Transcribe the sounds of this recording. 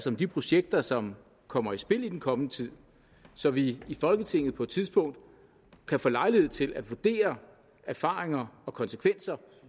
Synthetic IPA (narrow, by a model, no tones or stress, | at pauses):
sɒ̽md̥ipʰʁo̝ɕeɡ̥̚d̥ɐsɒ̽m | kʰɒ̽m̰ɐisb̥e̝l̰id̥enkʰɒ̽mnət͡sʰið̞̰ˠ | sɒ̽ʋiːfɒ̽lɡ̥ət͡sʰe̝ŋ̰ð̩ˠpʰɒ̽e̝d̥t͡sʰiðˠsb̥ɔ̽ŋ̰d̥ | kʰæfɔːlɑ̈ɪlihe̝ð̰ˠt͡sʰe̝læd̥ʋuɐd̥e̝̰ːɐ | æɐfɑ̈ːʁeŋɐɒ̽kʰɒ̽nsə̥kʰʋen̰sɐ